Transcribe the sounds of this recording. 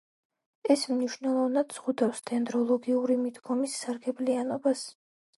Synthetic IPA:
ɛsmniʃnɛlˠɔvnad̪z̥ʁud̪afst̪ʰɛnd̪ɾɔlˠɔɡiuɾimid̪ɡɔmisːaɾɡɛblianɔbas

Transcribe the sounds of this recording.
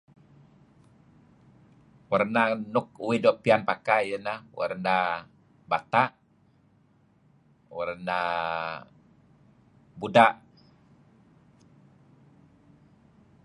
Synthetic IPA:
warnanʊk̚uwɪdɔpianpakajənawa̰rna | bat̪a | warna | budaʔ

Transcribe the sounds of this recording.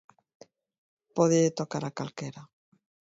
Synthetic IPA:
poðeet̪okaɾakalkeɾa

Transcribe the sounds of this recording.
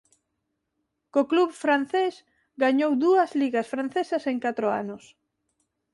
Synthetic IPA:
kokluβfɾan̟θes | ɡaɲowd̪uɐzliɣɐsfɾan̟θesɐseŋkat̪ɾoa̰nʊs

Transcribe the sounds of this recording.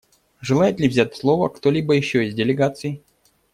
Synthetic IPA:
ʐɨlˠajɪt̪lʲɪvzʲætʲslˠo̞və̰kt̪olʲibəjɪɕːoɪzʲdʲɪlʲɪɡat̪sɨj

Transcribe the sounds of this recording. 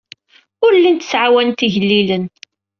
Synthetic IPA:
ʊɾlːint̪ə̥sʕawænt̪iʝəlːilən

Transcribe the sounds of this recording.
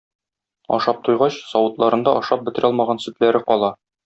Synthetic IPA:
ɒ̰ʃɑp̚t̪ujʁɑɕsɒwɤ̆t̪lˠɑɾɤ̆nd̪ɑʔɒʃɑp̚bɘ̆t̪ɘ̆ɾɒlˠmɑʁɑnsʉt̪læɾɘqɒlˠɑ

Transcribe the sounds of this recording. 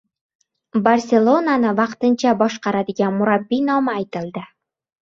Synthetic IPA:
bɐrʲsʲelˠonanɤvɑqt̪ɤnɕɑbɒʃqɑɾad̪ɪ̆ɡʲænmʊɾabːinɒmɤæjt̪ɘ̆lˠd̪ɘ

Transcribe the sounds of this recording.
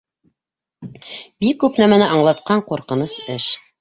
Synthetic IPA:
bikːʉpnæmænɘʔɑɴlˠɑt̪qɑɴquɾqɤ̆nɤsɘʃ

